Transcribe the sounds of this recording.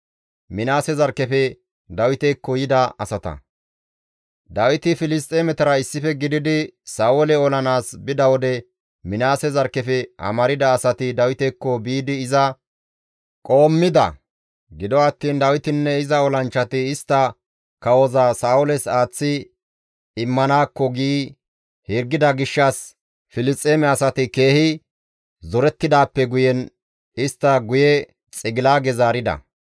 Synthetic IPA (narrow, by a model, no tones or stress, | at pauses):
mɪnaːsɛzɐɾkːɛfɛ | d̪ɐwɪt̪ɛkːɔjɪd̪ɐɐsɐt̪ɐ̰ | d̪ɐwɪt̪ɪfɪlɪst̪ʼːɛːmɛt̪ɐɾɐɪsːɪfɛɡɪd̪ɪd̪ɪsaːwɔlɛɔlɐnaːsbɪd̪ɐwɔd̪ɛ | mɪnaːsɛzɐɾkːɛfɛɐ̰mɐɾɪd̪ɐːsɐt̪ɪd̪ɐwɪt̪ɛkːɔbiːd̪ɪːzɐ | kʼo̞ːmːɪd̪ɐ̰ | ɡɪd̪ɔɐt̪ːiːnd̪ɐwɪt̪ɪnːɛɪzɐɔlɐnt͡ʃːɐt̪ɪɪst̪ːɐ | kɐwɔzasaːʊlɛsaːt͡sːɪ | ɪmːɐnaːkːɔɡiː | hɛɾɡːɪd̪ɐɡɪʃːɐs | fɪlɪt͡sʼːeːmɛɐsɐt̪ɪke̞ːhɪ | zɔɾɛt̪ːɪd̪aːpːɛɡʊjɛn | ɪst̪ːɐɡʊjɛ | t͡sʼɪɡɪlaːɡɛzaːɾɪd̪ɐ̰